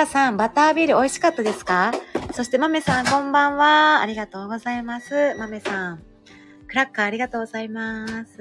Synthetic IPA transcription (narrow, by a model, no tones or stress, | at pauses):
asãmbat̪aːbʲiːɾɯ̟o̞iɕi̥kat̪ːad̪e̞sɨ̥kaso̞ɕi̥t̪e̞mame̞sãŋkõ̞mbãɰ̃βa̰ːɾʲiɡat̪o̞ːɡo̞zaimasɨmame̞sãŋ̃ | kɯ̟ɾakːaːɾʲiɡat̪o̞ːɡozaimasɨ̥